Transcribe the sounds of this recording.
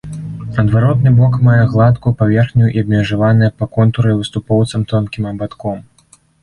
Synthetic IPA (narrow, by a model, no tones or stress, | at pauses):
ɐd̪vaɾɔt̪nɨbɔkmajɛɣlˠat̪kupavʲɛrxnʲujuʔiɐbmʲɛʐavanɨjɐpɐkɔnt̪uɾɨvɨst̪upɔwt̪sɐmt̪ɔnkʲimɐbat̪kɔm